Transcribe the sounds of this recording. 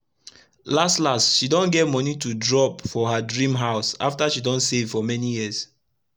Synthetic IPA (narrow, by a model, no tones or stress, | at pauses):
lastlastʃidõnɡɛt̚mɔnitudɹɔpfɔɦadɹĩmɦaʊsa̰ftaʃidɔ̃nsevfɔmɛnijis